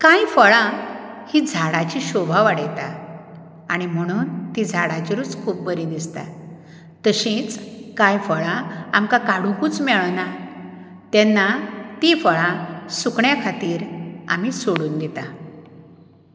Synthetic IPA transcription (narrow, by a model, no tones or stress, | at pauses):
kãjfəɭãhid͡zʱaɽat͡ɕiɕobʱaʋaɽjt̪a | aɽ̃im̤əɽ̃uːnt̪id͡zʱaɽat͡ɕiɾuːt͡skʰuːp̚bəɾĩd̪ist̪a̰ | t̪əɕĩt͡skajfəɭãamkakaɽ̤ukuːt͡smɛɭna | t̪ɛnːat̪ifəɭãsukɳjakʰat̪iːɾa̰misoɽuːnd̪it̪a